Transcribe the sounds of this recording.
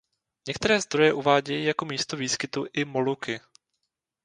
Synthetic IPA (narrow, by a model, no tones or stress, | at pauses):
ɲɛkt̪ɛɾɛːzd̪ɾo̞jɛʔuvaːɟɛjijako̞miːst̪oviːskɪt̪uʔɪmo̞lukɪ